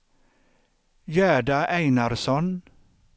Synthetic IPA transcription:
jæːɖaʔæɪnaɾsɔn

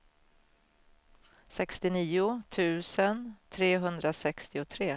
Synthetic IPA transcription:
sɛkst̪ɪniːʊt̪ʰʉ̟ːsənt̪ʰɾeːɦɵnd̪ɾasɛkst̪ɪʊt̪ʰɾeː

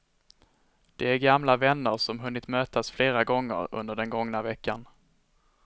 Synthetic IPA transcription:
d̪̥ɛæɾɡamlavɛnːəɾʂɔmɦɵnːɪt̪møːt̪asfleːɾaɡɔŋːə̰ɾɵ̰nd̪əɖɛnɡɔŋnavɛkːan

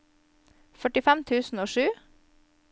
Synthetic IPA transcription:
fœʈɪfæmt̪ʰʉːsn̩oːʃʉː

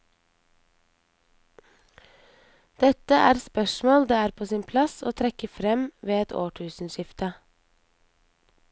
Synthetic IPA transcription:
d̪̥ɛt̪əʔæ̰ːɾspœʃmoːld̪eːæːɾpʰoːsiːnpʰlɑsoːt̪ʰɾɛkəfɾɛmʋeːɛt̪ʰo̰ːʈʰʉːsn̩ʃɪft̪ə

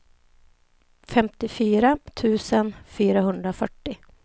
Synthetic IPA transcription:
fɛmt̪ɪfyːɾat̪ʰʉ̟ːsənfyːɾaɦɵnd̪ɾafœʈːɪ

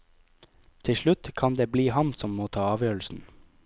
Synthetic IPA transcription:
t̪ʰɪʃɭʉt̪kʰɑnd̪eːbliːhɑnsɔmmoːt̪ʰɑːɑːʋjøːɭ̩sn̩

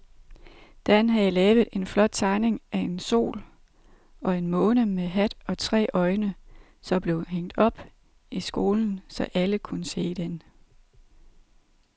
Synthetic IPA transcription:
d̥ænɦæjlɛːʊð̩ˠe̝nflɒ̽d̥̚t͡sʰɑ̈ɪne̝ŋʔæe̝nso̝̰ːl | ɒ̽e̝nmɔ̽ːnəmeɦæd̥ɒ̽t͡sʰʁɛ̰ːʔɒ̽ɪnə | sɒ̽b̥le̝ʊɦeŋ̰d̥ɒ̽b̥ | isɡ̥o̝ːln̩sɒ̽ʔæləkʰunəse̝̰ːd̥en

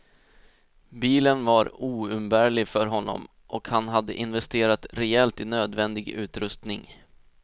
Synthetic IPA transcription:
biːlənvaɾuːɵmbæːɭɪɡfœɾɦɔnːɔ̰m | ʔɔkhanɦad̪ːə̰ʔɪnvɛst̪eːɾat̪ɾɛɛlt̪ɪnøːd̪vɛnd̪ɪɡʉ̟ːt̪ɾɵst̪nɪŋ

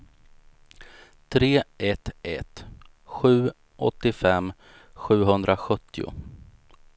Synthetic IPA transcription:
t̪ʰɾeːʔɛt̪ʔɛt̪ | ɧʉ̟ː | ʔɔ̰t̪ːɪfɛmː | ɧʉ̟ːɦɵnd̪ɾaɧɵt̪ːɪʊ̰

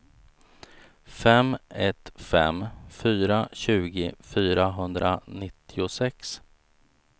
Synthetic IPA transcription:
fɛmɛt̪fɛ̰mfyːɾaɕʉ̟ːɡɪfyːɾaɦɵnd̪ɾanɪt̪ʰːɪʊsɛks

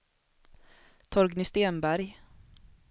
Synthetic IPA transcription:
t̪ʰɔɾɡnʏst̪eːnbæɾj

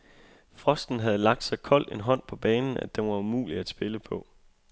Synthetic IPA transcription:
fʁɒ̽sd̥n̩ɦæð̞̩ˠlɑ̈ɡ̥̚d̥sɑ̈ɪkʰɒ̽l̰d̥e̝nɦɒ̽n̰pʰɒ̽b̥ɛːnn̩ʔæd̥enʋɑ̈umṵːliæ̥sb̥e̝ləpʰɒ̽

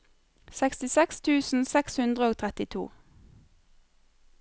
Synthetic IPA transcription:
sɛkst̪ɪsɛkst̪ʰʉːsn̩sɛkshʉnd̪ʁəoːt̪ʰʁɛt̪ɪt̪ʰṵː

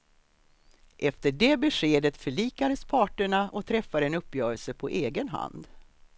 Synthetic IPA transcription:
ʔɛft̪əɖeːbɛɧeːd̪ət̪fœɭiːkad̪əspʰɑːʈəɳaʔɔt̪ʰɾɛfːad̪əɛnɵpːjœːɾəlsəpʰɔʔeːɡənɦa̰nd̪

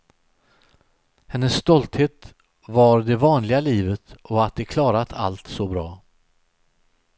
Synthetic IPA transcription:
hɛnːəsːt̪ɔlt̪heːt̪ | vaɾd̪ɛvɑːnlɪɡaliːvət̪ɔat̪̚d̪ɛkʰlɑːɾat̪ʰa̰lt̪sɔbɾɑː

